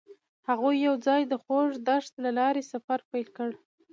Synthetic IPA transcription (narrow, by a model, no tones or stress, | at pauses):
haɣujːawd͡zɑjd̪əxoʐd̪aʂt̪lalɑɾesafaɾpajlkəɽ